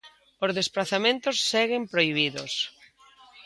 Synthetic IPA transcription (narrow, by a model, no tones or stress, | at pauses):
ozðesplaθamẽnt̪ʊsːɛɣɪmpɾoiβ̞iðo̰s